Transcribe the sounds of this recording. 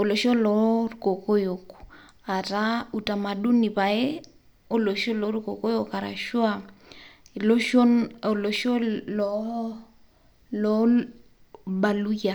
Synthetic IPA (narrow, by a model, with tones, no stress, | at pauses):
o˨lo˨ʃo˦lɔ˨˦ruko˨ko˦jo˨k | a˨ta˦u˨ta˨ma˨ɗu˦ni˨pa˨e˦ | o˦lo˨ʃo˦lɔ˨˦ɾu˦ko˨ko˦jo˦˨ka˨ɾa̰˨ʃu˦a˨ | lo˦ʃo˦no˨lo˨ʃo˦lɔ˨ | lɔ˦ | ba˨lu˦ja˨